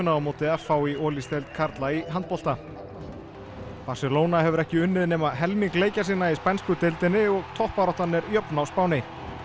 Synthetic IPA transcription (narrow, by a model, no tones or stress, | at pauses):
ʏnaawmoːwt̪ɪafaːwiɔːlist̪ɛlt̪kʰaɾt̪laiɦant̪̚pɔl̥t̪a | parsɪloːwnaɦɛvʏɾɛhcɪʏnːɪðnɛːmaðɦɛlmiŋkleːjcasiːnaispɛnskʏt̪ɪlt̪ɪnːɪɔɣt̪ʰɔhpaɾɔht̪anːɛɾjœpnawspaːwnɪ